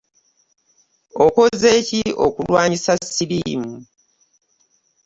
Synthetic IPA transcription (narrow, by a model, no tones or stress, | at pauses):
oko̞ze̞ːcio̞̰kulwaːɲisasiliːmu